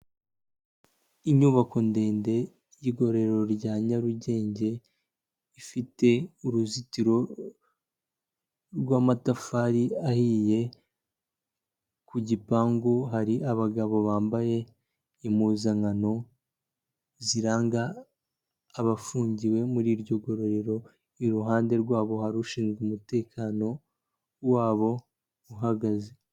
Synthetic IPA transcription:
iɲuβako̞nde̞ːnde̞ | jiɡo̞ɾe̞ɾo̞ɾɟaːɲaɾuɟe̞ːɲɟe̞ | ifite̞uɾuzitiɾo̞ | ɾɡwaːmatafaːɾiahije̞ | kuɟipaːŋɡoɦaɾiʔaβaɡaβo̞βaːmbaje̞ | imuːzaŋano̞ | ziɾaːŋɡaː | βafuːɲɟiwe̞muɾiːɾɟo̞ɡo̞ɾo̞ɾe̞ɾo̞ | iɾuɦaːnde̞ɾɡwaːβo̞haɾuʃiːnzɡumute̞ːkʰaːno̞ | waːβo̞ | uɦaɡaze

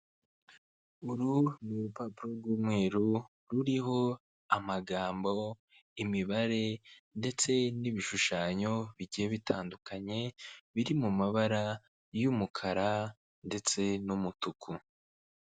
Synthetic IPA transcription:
uɾunuɾupapuɾoɾɡuːmŋe̞ːɾu | ɾuɾiɦo̞ | amaɡaːmbo̞ | imiβaɾe̞nde̞t͡se̞niβiʃuʃaːɲo̞βiɟijeβitaːndukaɲe̞βiɾimumaβaɾa | jumukʰaɾa | nde̞t͡se̞numutukʰu

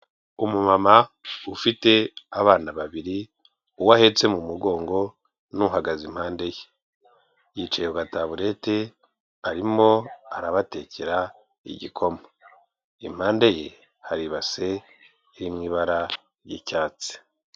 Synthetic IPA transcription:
umumamaufite̞aβaːnaβaβiɾi | uwahe̞t͡se̞mumuɡo̞ːŋɡo̞ | nuɦaɡazim̥haːnde̞je | jit͡ʃejeuɡataβuɾe̞te̞ | aɾimo̞aɾaβate̞ceɾa | ḭɟikʰo̞mo | im̥haːnde̞je | haɾiβase̞ | iɾimŋiːβaɾa | jicaːt͡si̥

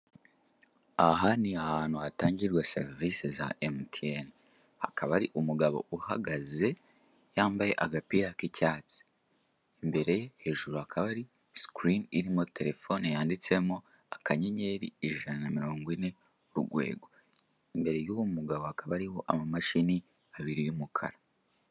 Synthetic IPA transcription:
aɦaniahaːn̥huataːɲɟiɾɡwasḛɾvisiza̰ʔemtʰien | ha̰kʰaβaɾiʔumuɡaβo̞̰ʔuha̰ɡaze̞ | jaːmbaje̞̰ʔaɡapiːɾakicaːt͡si̥ː | mbe̞ɾe̞jehe̞ːʒuɾuhakʰaβaɾi | skɾiniɾimo̞te̞ɾe̞fo̞nejaːndit͡se̞mo̞ | akaɲeɲe̞ɾiiʒananamiɾoːŋɡwine̞ | ɾṵɡwḛːɡo̞ | imbe̞ɾe̞juwumuɡaβo̞hakʰaβaɾiwo̞ʔamamaʃini | aβiɾijumukʰa̰ɾa

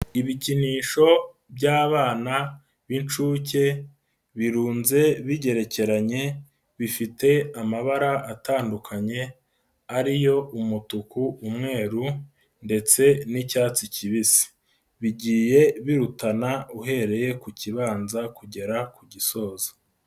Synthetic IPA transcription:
iβiciniːʃo̞ | bɟaːβaːna | βint͡ʃuːce̞ | βiɾuːnze̞βiɟe̞ɾe̞ce̞ɾaɲe̞ | βifite̞amaβaɾaʔːtaːndukʰaɲe̞ | aɾijo̞umutukuːmŋe̞ːɾu | nde̞t͡se̞nicaːt͡siciβisi̥ | βiɟiːje̞βiɾutanauɦe̞ɾe̞je̞kuciβaːnzakuɟe̞ɾakuɟiso̞ːzḁ

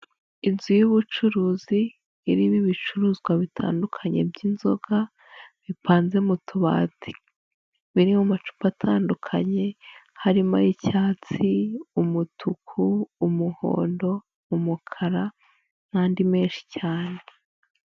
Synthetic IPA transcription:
inzujuβut͡ʃuɾuːziː | ɾiβiβit͡ʃuɾuːzɡwaβitʰa̰ːndukʰaɲe̞̰bɟiːnzo̞̰ɡ̥a | βipaːnze̞mutʰuβa̰ːti̥ | βiɾimumat͡ʃu̥patʰaːndukʰaɲe̞haɾima̰ɾicaːt͡siumutʰukʰuːmuho̰ːndo̞ | umukʰaɾa | n̥aːndime̞ːnʃi̥caːne̞

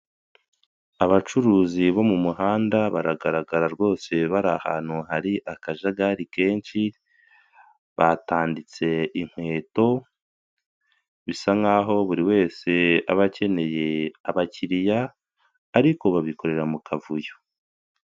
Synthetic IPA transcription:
aβat͡ʃuɾuːziβo̞mumuɦaːndaβaɾaɡaɾaɡaɾaɾɡo̞ːse̞βaɾaha̰ːn̥huhaɾiʔakaʒaɡaɾike̞ːnʃi | βataːndit͡se̞iŋ̥hwe̞ːto̞ | βisaŋaɦo̞βuɾiwe̞ːse̞a̰βace̞ne̞je̞aβaciɾijaː | ɾiko̞βaβiko̞ɾe̞ɾamukʰavujo

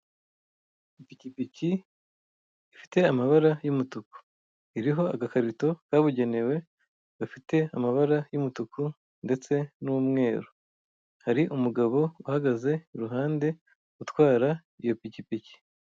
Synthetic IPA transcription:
ipicipici | fi̥te̞amaβaɾajumutuku̥ | iɾiɦo̞aɡakaɾito̞kaːβuɟe̞ne̞we̞ | ɡ̥afite̞amaβaɾajumutuku | nde̞t͡se̞numŋe̞ːɾo | haɾiʔumuɡaβo̞uhaɡaze̞iɾuɦaːnde̞ | utwaːɾa | ijo̞picipici̥

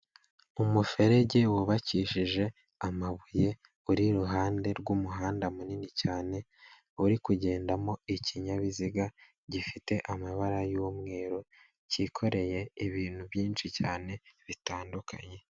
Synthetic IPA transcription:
umufe̞ɾe̞ɟe̞wuβaciʃiʒe̞ | amaβuje̞ | uɾiɾuɦaːnde̞ɾɡumuɦaːndamuninicaːne̞ | uɾikuɟe̞ːndamo̞iciɲaβiziɡa | ɟifite̞ʔamaβaɾajuːmŋe̞ːɾo | ciːkʰo̞ɾe̞je̞iβiːn̥huβjiːnʃicaːne̞βitaːnduka̰ɲe̞

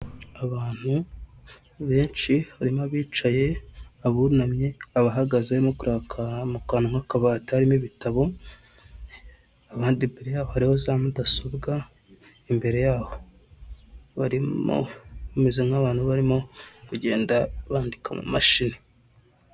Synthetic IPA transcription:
aβaːn̥hu | βe̞ːnʃiβaɾimaβiːt͡ʃaje̞aβunamɲe̞aβaɦaɡazemokuɾʔaːkʰamukaːnmakaβaːtahaɾimiβitaβo̞ | aβaːndimbe̞ɾe̞jaːβohaɾihozaːmudasoβɡa | imbe̞ɾe̞jaːβo̞ | βaɾimo̰mezemŋaβaːn̥huβaɾimo̞kuɟe̞ːndaβaːndika̰mṵmaʃini

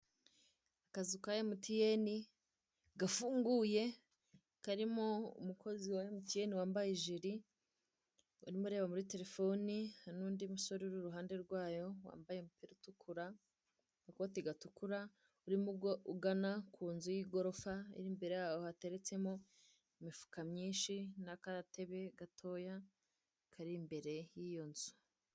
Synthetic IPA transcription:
akazikajemutijeni | ɡafuːŋɡuːje̞ | kaɾimo̞ṵmukʰo̞ziwajemutijeniwaːmbajiʒiɾi | ṵɾimuɾe̞ːβamuɾite̞ɾe̞fo̞nihanuːndimuso̞ɾiuɾuɾuɦaːnde̞ɾɡwaːjo̞wa̰ːmbajemupiɾitukʰuɾa | akoːtiɡatukuɾa | uɾimuuɡanakʰuːnzujiɡo̞ɾo̞faḭɾimbe̞ɾejawohate̞ɾe̞t͡se̞mo | imifu̥kamɲiːnʃinakaɾate̞βe̞ɡatʰo̞ːja | kʰaɾimbe̞ɾe̞jijo̞nzu̥

